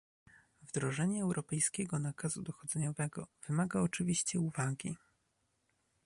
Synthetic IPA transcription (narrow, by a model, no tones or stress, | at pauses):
vd̪ɾɔʐɛɲɛːwɾʔɔpɛjskʲɛɡɔnakazud̪ɔxɔd̪zɛɲɔvɛɡɔv̥ɘmaɡaɔt͡ʂɘvʲiɕt͡ɕɛuvaɡʲḭ